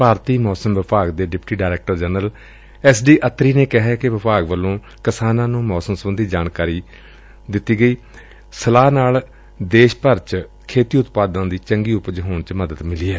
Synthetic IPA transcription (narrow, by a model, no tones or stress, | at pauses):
paːɾt̪iːmɔːsəmʋɪpaːɡd̪eːɖɪpʈiːɖaːɾɛeːk̚ʈəɾd͡ʒɛːnəl | ɛːsɖiːʔət̪ɾiːneːkɪɦɛːkɪʋɪpaːɡʋəlːõː | kɪsaːnãːnũːmɔːsəmsəbənd̪iːd͡ʒaːnkaːɾiː | d̪ɪt̪ːiːɡəiː | səlaːnaːl | d̪eːʃpəɾt͡ʃ | kʰeːt̪iːʊt̪paːd̪ãːd̪iːt͡ʃəŋɡiːʊpd͡ʒɦoːɳt͡ʃməd̪əd̪mɪliːɛː